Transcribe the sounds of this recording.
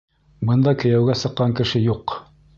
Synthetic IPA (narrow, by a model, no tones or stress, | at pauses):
bɤ̆nd̪ɑkɵ̆jæwɡæsɤ̆qːɑŋkɘ̆ʃɘjuq